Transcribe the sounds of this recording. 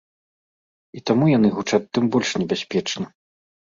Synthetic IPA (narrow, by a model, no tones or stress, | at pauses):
it̪amujanɨɣut͡ʂaːɨmbɔlʲʂnʲɛbʲasʲpʲɛt͡ʂnɐ